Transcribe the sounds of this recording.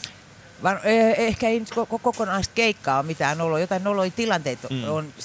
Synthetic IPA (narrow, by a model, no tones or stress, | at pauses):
ʋɑnøehkæeinyt̪kokokokonɑist̪̚keikːɑːomit̪æːnolojot̪ɑinoloit̪ilɑnt̪eːt̪on